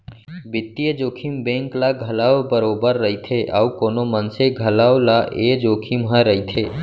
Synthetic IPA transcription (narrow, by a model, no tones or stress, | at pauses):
bɪt̪ːijed͡ʒoːkʰimbẽːŋklaɡʱɐlaːobəɾoːbəɾːəit̪ʰeʔaukoːnomənseɡʱəlaːwlaʔʔed͡ʒoːkʰimɦə̃ɾəit̪ʰeː